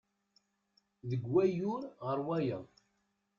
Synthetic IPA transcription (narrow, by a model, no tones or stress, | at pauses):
ðəɡːæjʊɾʁəɾˤwæjə